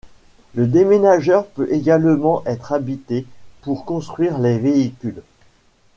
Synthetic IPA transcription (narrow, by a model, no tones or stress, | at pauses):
ləd̪emenaʒœʁpøʔeɡalmɑ̃ʔɛt̪χabit̪epuʁkɔ̃st̪χɥiʁleveikʲyl